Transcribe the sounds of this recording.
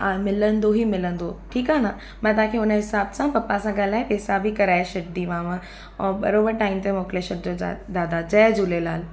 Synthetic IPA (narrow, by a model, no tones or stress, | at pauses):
aːmɪlə̃nd̪oɦimɪlə̃nd̪oʈʰiːkaːna | mãːt̪̬ɐãkʰeːʊnəɦɪsaːbsãpɐpːasãɡaːlaːẽpeːsaːbikɐɾaːeʃɐʈ̚d̪iʋãːmãː | ɓɐ̰ɾoːbəɾʈaːimt̪̬emoːkleʃɐʈ̚d͡ʑod̪aːd̪ad͡ʑɐːd͡ʑuːlelaːl